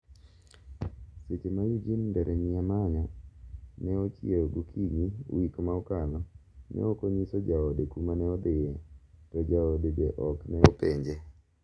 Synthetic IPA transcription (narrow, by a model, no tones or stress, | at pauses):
set͡ʃemajud͡ʒinndɛɾʔɛɲɪamaɲa | nɛɔt͡ʃieoɡukʰiɲiwikmaɔkalɔnɛ̰ɔkɔɲisɔd͡ʒaɔdekumanɛɔd̪ɪjɛtɔd͡ʒaɔdedɛʔɔknɛɔpeɲd͡ʒe